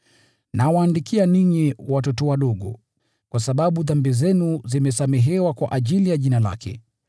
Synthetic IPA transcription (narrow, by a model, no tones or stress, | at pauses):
nawaːndikʰianiɲiwatɔtɔwaɗɔɠɔ̰ | kwasaɓaɓuðambizɛnuzimɛsamɛɦɛwakwa̰ʔaʄilijaʄinala̰kʰɛ̰